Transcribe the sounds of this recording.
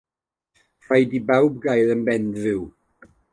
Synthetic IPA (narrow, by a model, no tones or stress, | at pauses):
r̥ajdibawb̚ɡajðənbɛndvɪw